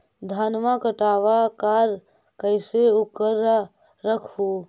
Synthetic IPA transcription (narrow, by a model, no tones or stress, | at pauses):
d̪ʱaːnmakəʈaːwakaːɾ | kəɪseʊkːəɾ | ɾəkʰɦuː